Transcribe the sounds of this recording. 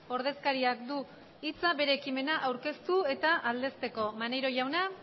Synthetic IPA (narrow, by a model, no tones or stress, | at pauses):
o̞ɾð̞e̞skaɾiakd̪u | it͡sabe̞ɾe̞ːkime̞naʔawɾke̞st̪ue̞t̪aʔald̪e̞st̪e̞ko̞mane̞jɾo̞ʝawna